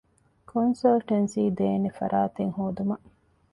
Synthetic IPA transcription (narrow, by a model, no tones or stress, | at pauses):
kʰonsɐlʈɐnsiːd̪eːnefɐ̰ɾʔaːt̪eŋhoːd̪umɐʔ